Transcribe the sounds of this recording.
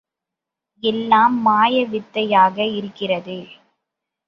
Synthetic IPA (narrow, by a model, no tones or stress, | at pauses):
ɛlːaːmːaːjɐʋɪt̪ːɐjaːɣɐɪɾɯkːɪrɐðɯ